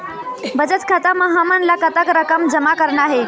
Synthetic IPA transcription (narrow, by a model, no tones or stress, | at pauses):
bəd͡ʒət̪kʰat̪aməɦamanlakət̪əkɾəkəmd͡ʒəmakəɾɳaɦe